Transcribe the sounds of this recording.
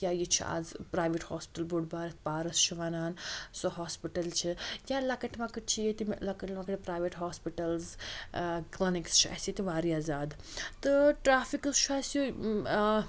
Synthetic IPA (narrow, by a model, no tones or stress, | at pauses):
jʲaːjit͡ʃʰia̰ːzpɾaːjʋiʈhoːspi̥ʈɐlboɖbaːɾit̪paːɾɐst͡ʃʰiʋaːnaːnsoɦoːspiʈɐlt͡ʃʰijaːlɐkɐʈmɐkɐʈ̚t͡ʃʰijet̪ilɐkɐʈmɐkɐʈpɾaːjʋiʈɦoːspiʈɐlz | klinikst͡ʃʰiɐ̰sit̪iʋaːɾiaːzaːd̪ | t̪ɨʈɾaːfikɨst͡ʃʰuaːsju